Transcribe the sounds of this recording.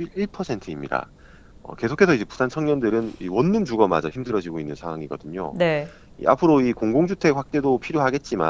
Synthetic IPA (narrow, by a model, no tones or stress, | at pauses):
iɭpʰʌsʰe̞ntʰɯimɲida̰ | ʌ̰ke̞sʰokʰe̞sʰʌid͡ʑe̞pu̥sʰant͡ɕʰʌŋɲʌndɯɾɯnḭwʌnːumd͡ʑuɡʌma̰d͡ʑaçimdɯɾʌd͡ʑiɡoinːɯnsʰaŋwaŋiɡʌ̰dɯɲo̰ne | ḭʔa̰pʰɯɾoikoŋɡoŋd͡ʑutʰe̞kɸwak̚t͈e̞dopʰiɾjoɦaɡe̞t̚t͡ɕ͈ima̰